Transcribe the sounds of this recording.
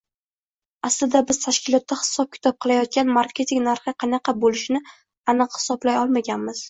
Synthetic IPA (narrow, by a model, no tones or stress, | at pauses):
aslɪd̪abɪz̥t̪ʰaʃkʲɪlˠɒt̪ːahɪ̥sɒp̚kʲʰɪ̥t̪ʰɒp̚qʰɨlˠajɒt̪̚kʲanmaɾkʲe̞t̪ʰiŋnaɾχɨqʰɑnɑqʰɑbolɪʃnɪ | anɨqhɪ̥sɒblajɒlˠmaɡʲanmɪz̥